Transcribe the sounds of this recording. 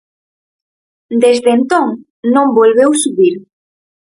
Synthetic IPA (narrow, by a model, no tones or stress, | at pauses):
d̪ezðent̪õŋ | nõmbolβewsuβiɾ